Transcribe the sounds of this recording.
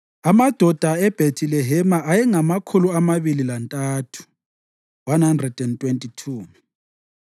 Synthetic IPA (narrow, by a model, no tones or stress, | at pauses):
amad̥ʱɔd̥ʱaɛb̥ʱetʰilɛɦɛmaʔajɛŋamakʰuluamaβililantʼaːtʰu̥ | wanhandrɛd̥ɛntʼwentʼitʰuː